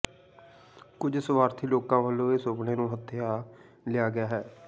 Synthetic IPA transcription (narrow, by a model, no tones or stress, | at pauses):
kʊd͡ʒsʊʋaːɾt̪ʰiːloːkãːʋəlːõːeːsoːbɽeːnũːɦət̪ʰːɪjaː | lɪjaːɡɪjaːɦɛː